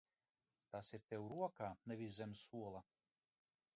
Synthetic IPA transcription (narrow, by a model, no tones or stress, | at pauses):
t̪asiɾt̪ʲɛwɾuɔkaːnɛvʲizʲɛmsuɔlˠa